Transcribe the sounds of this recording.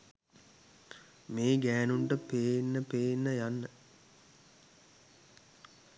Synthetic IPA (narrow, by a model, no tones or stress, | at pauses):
meːɡæːnuɳʈəpeːnːəpeːnːəjanːə